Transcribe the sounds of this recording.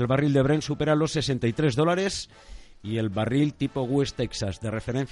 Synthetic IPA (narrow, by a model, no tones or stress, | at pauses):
elβarild̪eβ̞ɾensupeɾalosːesent̪ait̪ɾezðolaɾes | ielβarilt̪ipoɣ̞west̪eksazðerefeɾen̟θ